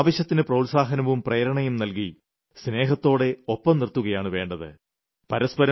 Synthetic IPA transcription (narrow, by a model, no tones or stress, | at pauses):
ʋɐɕjɐt̪ːinɨprɐwlsaːɦɐnɐʋumpreːɾɐɳɐjumnɐlki | sne̞ːɦɐt̪ːo̞ːɽe̞opːɐmnirt̪ːuɣɐjaːɳɨʋe̞ːɳɖɐðɨ̰ | pɐɾɐspɐɾɐ